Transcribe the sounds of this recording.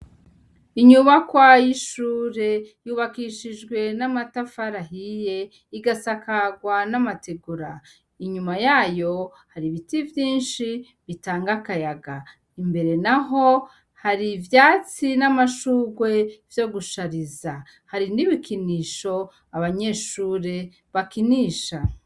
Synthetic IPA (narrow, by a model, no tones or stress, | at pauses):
iɲuβakwajiʃuːɾe̞juːβakiʃid͡ʒɡwe̞namatafaɾaɦije̞ | iɡasakaɡwanamateɡuɾa | iɲumajaːjo̞ | haɾiβitivjiːnʃi | βitaːŋɡakajaɡa | imbe̞ɾe̞naɦo̞ | haɾivjaːt͡sinamaʃuːɡwe̞v̥jo̞ɡuʃaɾiza | haɾiniβikʰiniːʃo̞ | aβaɲe̞ʃuːɾe̞ | βakiniːʃa